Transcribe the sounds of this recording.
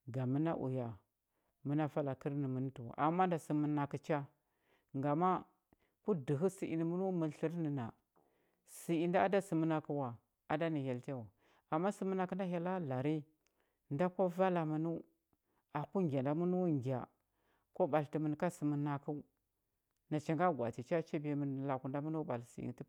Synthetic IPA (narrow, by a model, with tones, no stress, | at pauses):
ɡa˨mə˦na̰˦ʔṵ˨ja˨ | mə˦na˦fa˦la˨kə˦ɾni˨mə˨n˦tu˨wa̰˨ʔa˨mːa˦nda˨si˨mə˨na˨ki˨t͡ʃa˦ | ŋɡa˨ma˦ | ku˦di˨ɦu˦si˨ʔḭ˨ni˨mu˦nu˦mə˨ɬi˦ɾni˨na̰˨ | si˨i˨nda˦a˦da˦si˨mə˦na˨ku˦wa˨ | a˨da˦ni˨ja˨lte˦wa˨ | a˨mːa˦si˨mə˦na˨kə˦nda˦ɦa˦la˦la˨ɾi˦ | nda˦ko˦va˦la˨mu˨nu˦ | a˨ku˦ŋɡʲa˨nda˨mu˦nu˦ŋɡʲa̰˨ | ko˦ɓa˨lti˨mə˨n˨ka˦si˨mə˨na˨ku˦ | na˨t͡ʃa˨ŋɡa˦ɡʷa̰˨ti˨t͡ʃa˦t͡ʃa˦be˨mə˨n˨la˨ku˨nda˦mu˦nu˦ɓa̰˨lsḭ˨ḭ˨n˦ti˦